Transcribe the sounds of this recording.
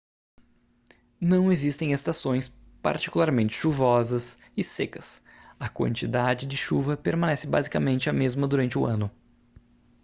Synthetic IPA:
nɐ̃w̃ezist̪ẽj̃est̪asõj̃s | pa̰ɾt͡ʃi̥kulaɾmẽnt͡ʃɪ̥ʃuvɔzɐs | ɪsekɐs | ɐkwɐ̰̃nt͡ʃid̪ad͡ʒɪd͡ʒɪʃuvɐpeɾmɐ̃nɛsɪba̰zikɐmẽnt͡ʃɪɐmezmɐd̪uɾɐ̃nt͡ʃɪʊɐ̃nʊ

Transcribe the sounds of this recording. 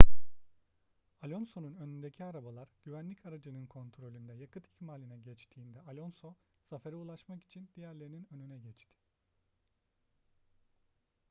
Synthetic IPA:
alʲo̞nso̞nunø̞nynd̪ecʰiaɾabalˠaɾɟ̥yvænlʲicʰaɾad͡ʒɯnɯnkʰo̞nt̪ʰɾo̞lʲynd̪ɛjakɯt̪icmaːlʲinɛɟɛt͡ʃt̪ʰiːnd̪ɛalʲo̞nso̞ | safeɾɛulˠaʃmaki̥t͡ʃʰind̪̥ijæɾlʲe̞ɾininø̞nynɛɟɛt͡ʃt̪ʰɪ̥

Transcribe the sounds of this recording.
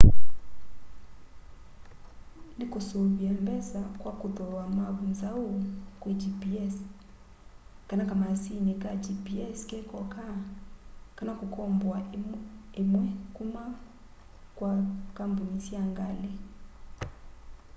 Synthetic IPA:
ndikosoβiambɛsakwakoðɔlwamaβunzaokwed͡ʒipiɛs | kanakamasinekad͡ʒipiɛskɛkɔka | kanakokɔmbwa | emwɛkuma | kwakambonisjaŋɡale

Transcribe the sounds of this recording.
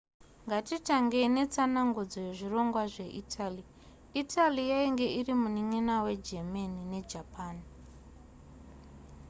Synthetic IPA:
ŋɡatitaŋɡe̞ne̞t͡sanaŋɡud͡zojeʐiro̞ŋɡwaʐe̞ʔitʰali | itʰalijaiŋɡe̞ʔirimuniŋinawe̞d͡ʒemanine̞d͡ʒapaːn

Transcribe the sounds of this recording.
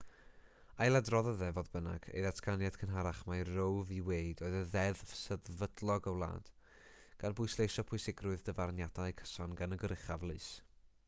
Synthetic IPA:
ajlˠadrɔðɔðɛvɔðbəna̰ɡ̥ḛjðatʰkanjadkʰənɦaɾaχmajrowviwejdoːɨðəðɛðvsəðvədlˠɔɡəwlˠa̰ːd̥ | ɡ̥anbʊɨslejʃɔpʰʊɨsɪɡrʊɨðdəvarnjad̥aɨkʰə̥sɔnɡanəɡəɾɪχavlˠɨs

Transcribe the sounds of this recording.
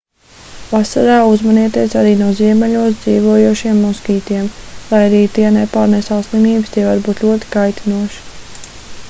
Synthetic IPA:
vasaɾaːuzmaniɛt̪iɛsaɾiːnuɔziɛmɛlʲuɔs̬d̪ziːʋuɔjuɔʃiɛmːɔskiːt̪iɛmlˠajaɾiːt̪iɛnepaːɾnesaslˠimiːbst̪iɛvaɾbuːt̪lʲuɔt̪i̥kajt̪inuɔʃi̥

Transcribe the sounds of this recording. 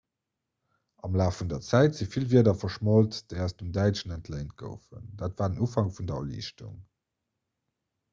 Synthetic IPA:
ɑmlaːfundɐt͡sæɪtz̥ifilviːɐdɐfɐʃmoltd̥eɪɑʊsdəmdæɪt͡ʃənəntʰlɛɪnt̚ɡ̥ə̰ʊfə̰nd̥aːtvaːdənufɑŋfundɐɐ̰lḭʃtṵŋ

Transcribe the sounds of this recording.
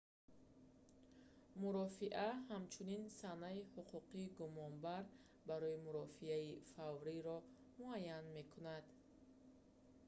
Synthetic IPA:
muɾɔfiʔahamt͡ʃʰuninsanaihuqʰuqiːɡumɔnbaɾ | baɾɔimuɾɔfiaifavɾiɾɔ | muajːanme̞kʰunad̪̥

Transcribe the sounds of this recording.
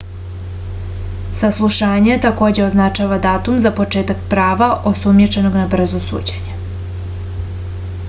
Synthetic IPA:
saslˠuʃaːɲet̪ako̞d͡ʑe̞oznat͡ʃaːʋad̪aːt̪umzapo̞t͡ʃe̞ːt̪akpɾaːʋaʔosumjet͡ʃe̞noɡnabr̩zosṵːd͡ʑeɲe

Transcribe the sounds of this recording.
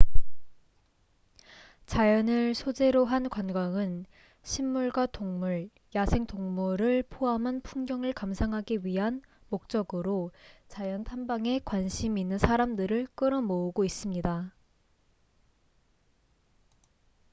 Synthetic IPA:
t͡ɕajʌnɯɭsʰod͡ʑe̞ɾoɦankwanɡwaŋɯn | ɕʰimːuɭɡwatoŋmuɭ | jasʰe̞ŋtoŋmuɾɯɭpʰoamɦanpʰuŋɡjʌŋɯɭkamsʰaŋɦaɡiɥiɦan | mok̚t͡ɕ͈ʌɡɯɾot͡ɕajʌntʰambaŋe̞kwanɕʰiminːɯnsʰaɾamdɯɾɯɭk͈ɯɾʌmouɡois͈ɯmɲida

